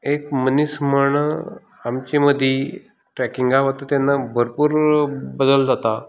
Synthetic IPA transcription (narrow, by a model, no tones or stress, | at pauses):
ekmənisməɳ | amt͡ɕiməd̪ʱji | ʈɾɛkiŋɡaʋat̪at̪janːabʱəɾpuːɾbəd̪əld͡zat̪a